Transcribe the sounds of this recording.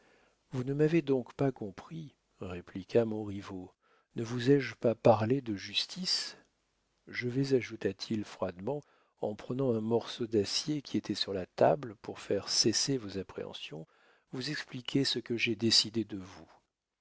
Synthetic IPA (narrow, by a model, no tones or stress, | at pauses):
vunəmaved̪ɔ̃kpakɔ̃pχi | ʁeplikʰʲamɔ̃ʁivo | nəvuzɛʒpapaʁled̪əʒyst̪ʰis | ʒəvɛzaʒut̪at̪ʰilfχwad̪mɑ̃ | ɑ̃pχənɑ̃ɛ̃mɔʁsod̪asjekʲiet̪ʰɛsyʁlat̪a̰blpuʁfɛʁsesevozapχḛɑ̰̃sjɔ̃ | vuzɛksplikʲʰesəkəʒɛd̪esid̪ed̪əvu